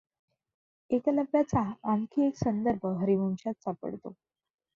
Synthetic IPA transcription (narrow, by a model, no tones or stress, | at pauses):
ekaləbjat͡saːmkʰiːeksənd̪əɾbʱəɦəɾimuŋɕat̪̚sapə̰ɽt̪o̰